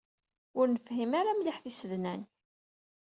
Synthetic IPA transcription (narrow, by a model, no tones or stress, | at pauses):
ʊɾnəfhimaɾamliħθisəðnæn